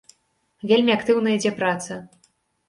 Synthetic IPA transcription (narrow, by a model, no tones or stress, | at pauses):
vʲelʲmʲiɐkt̪ɨwnɐid͡zʲɛpɾat̪sɐ